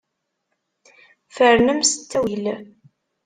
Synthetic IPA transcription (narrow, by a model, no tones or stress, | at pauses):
fəɾnəmsə̥t͡sːæwil